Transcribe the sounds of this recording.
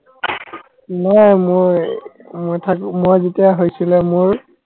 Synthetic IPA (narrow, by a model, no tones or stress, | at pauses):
nɔjmoj | mojtʰakmojzetijaɦojsilɛmʊɹ